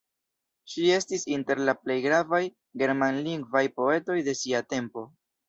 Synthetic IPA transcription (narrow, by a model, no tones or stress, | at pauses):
ʃie̞stisinte̞ɾlaple̞jɡɾavaj | ɡe̞ɾmanliŋɡvajpo̞e̞to̞jde̞siate̞mpo̞